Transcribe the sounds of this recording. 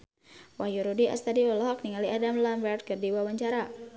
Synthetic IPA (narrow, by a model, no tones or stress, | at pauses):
wahjuɾudia̰st̪adiɔlɔɦɔk̚niŋaliadamlambərt̪̚kɨrdiwawaɲt͡ʃaɾa